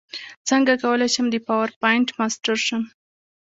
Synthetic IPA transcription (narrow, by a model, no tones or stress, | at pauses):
t͡səŋɡakawəlajʃəmd̪əpawaɾpɑjɪɳʈmɑsʈaɾʃəm